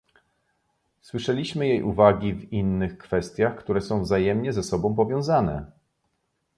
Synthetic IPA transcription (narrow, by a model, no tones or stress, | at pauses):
swɘʂɛlʲiɕmɘjejʔṵvaɡʲivinːɘxkfɛst̪ʲjaxkt̪uɾɛsɔ̃w̃vzajɛmɲɛzɛsɔbɔ̃w̃p̬ɔvʲjɔ̃w̃zanɛ̰